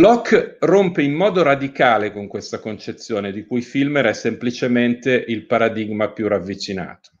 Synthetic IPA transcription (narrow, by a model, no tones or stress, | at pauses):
lɔkːrompeimːɔːd̪oɾad̪ikaːlekoŋkwest̪akont͡ʃet̪sːjoːned̪ikujfilmeɾɛsːemplit͡ʃement̪eʔilpaɾad̪iɡmapjuravːit͡ʃina̰ːt̪o̥